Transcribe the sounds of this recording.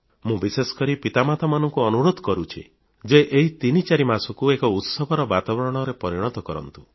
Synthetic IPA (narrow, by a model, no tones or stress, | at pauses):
mũbisesɔ̥kɔɾipit̪amat̪amanɔŋkuɔnuɾod̪ʱɔkɔɾut͡ʃʰḭ | d͡ʒeʔeɦit̪init͡ʃaɾimasɔkuekɔut̪sɔbʱɔɾɔbat̪abɔɾɔɽ̃ɔɾepɔɾiɽ̃ɔt̪ɔkɔɾɔ̰nt̪u̥